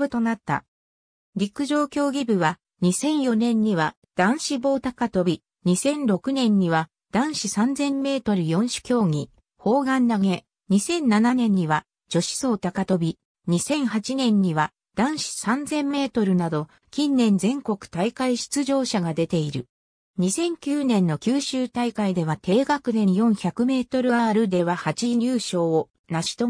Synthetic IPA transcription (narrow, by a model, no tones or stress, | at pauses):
ɯ̟t̪o̞nat̪ːa̰ | ɾʲikɯ̟ʑo̞ːkʲo̞ːɡʲibɯ̟βa | ɲ̟isẽ̞ɰ̃jo̞nẽ̞ɲ̟ːiβa | d̪̥ãɰ̃ɕibo̞ːt̪akat̪o̞bʲi | ɲ̟isẽ̞nɾo̞kɯ̟nẽ̞ɲ̟ːiβa | d̪̥ãɰ̃ɕisãnd͡zẽ̞mːe̞ːt̪o̞ɾɯ̟jõ̞ɰ̃ɕi̥kʲo̞ːŋʲi | ho̞ːɡãnːaŋe̞ | ɲ̟isẽ̞nːananẽ̞ɲ̟ːiβa | d͡ʑ̥o̞ɕi̥so̞ːt̪akat̪o̞bʲi | ɲ̟isẽ̞ɰ̃hat͡ɕinẽ̞ɲ̟ːiβa | d̪̥ãɰ̃ɕi̥sãnd͡zẽ̞mːe̞ːt̪o̞ɾɯ̟nad̪o̞ | kʲĩnːẽ̞nd͡zẽ̞ŋko̞kɯ̟̥t̪aikaiɕi̥t͡sɨʑo̞ːɕaɡad̪e̞t̪e̞iɾɯ̟ | ɲ̟isẽ̞ŋkʲɨːnẽ̞nːo̞kʲɨːɕɨːt̪aikaid̪e̞β̞at̪e̞ːɡakɯ̟d̪ẽ̞jõ̞ɰ̃çakɯ̟me̞ːt̪o̞ɾɯ̟ɡaːɾɯ̟d̪e̞βahat͡ɕiɲɨːɕo̞ː | naɕi̥t̪o